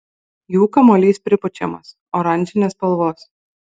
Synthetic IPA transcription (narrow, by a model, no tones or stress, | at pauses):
juːkɐmoːlʲiːspʲɾʲɪpʊt͡ʃʲɛ̰mɐ̰s | oːɾɐnʲˑd͡ʒʲɪnʲeːspɐlˠʋoːs